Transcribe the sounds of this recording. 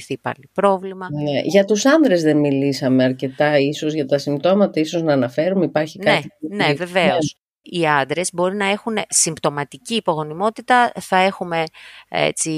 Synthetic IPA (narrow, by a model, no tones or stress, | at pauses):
θipɐ̰lipɾo̞vlimɐneʝɐt̪usɐnðɾe̞zðe̞nmilisɐme̞ɐɾce̞t̪ɐiso̞zʝɐt̪ɐsimbt̪o̞mɐt̪ɐiso̞znɐːnɐfe̞ɾumeipɐɾçinknɐineve̞ve̞os | iɐnd̪ɾe̞zbo̞ɾinɐe̞xunesimbt̪o̞mɐt̪iciːpo̞ɣo̞nimo̞t̪it̪ɐθɐe̞xume̞ḛt͡si